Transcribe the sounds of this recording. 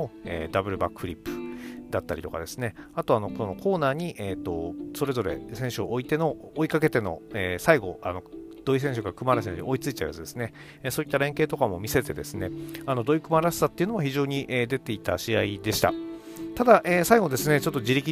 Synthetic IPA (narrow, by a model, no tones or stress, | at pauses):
oḛːd̪abɯ̟ɾɯ̟bakɯ̟̥ɸɯ̟ɾʲipːɯ̟̥d̪at̪ːaɾʲit̪o̞ka̰d̪e̞sɨne̞at̪o̞ano̞kono̞kʰo̞ːnaːɲ̟iʔeːt̪ːo̞so̞ɾe̞zo̞ɾe̞̰sẽ̞ɰ̃ɕɨoʔːit̪e̞no̞ːikake̞t̪e̞no̞̰eːsaiɡo̞̰a̰no̞d̪̥o̞is̬ẽ̞ɕɨkaɾakɯmaɾas̬ẽ̟ḭo̞it͡sɨit͡ɕa̰ja̰t͡sɨd̪e̞sɨne̞ː | so̞it̪ːaɾẽ̞ŋke̞ːt̪o̞kamo̞mʲise̞t̪e̞d̪e̞sɨne̞ano̞d̪o̞ikɯ̟maɾase̥sat̪ːeɯ̟nomaçiʑo̞ːɲ̟iʔed̪e̞t̪e̞it̪aɕiaid̪e̞ɕi̥t̪a̰ | t̪ad̪aʔeːsaiɡo̞d̪e̞sɨne̞t͡ɕo̞t̪ːo̞d͡ʑiɾʲikʲi